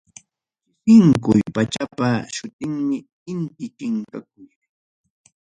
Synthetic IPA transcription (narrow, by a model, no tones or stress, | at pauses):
hɪŋkʊjpat͡ʃapaʃʊt̪ɪŋmɪ | ɪnt̪ɪkɪŋkak̚ʊj